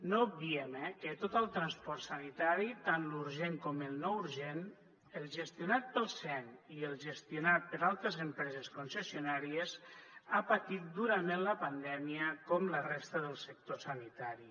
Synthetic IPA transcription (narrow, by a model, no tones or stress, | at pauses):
noub̚biemekət̪ot̪əlˠt̪ɾanspɔɾt̪sanit̪aɾit̪anluɾʒeŋkɔməlˠnɔuɾʒen | əlˠʒəst̪iunat̪̚pəlˠsɛniəlˠʒəst̪iunat̪̚pəɾalˠt̪ɾəzəmpɾɛzəskunsəsiunaɾiəzapat̪it̪̚d̪uɾəmenləpand̪ɛmiəkɔmlərest̪əðəlˠsək̚t̪osanit̪aɾi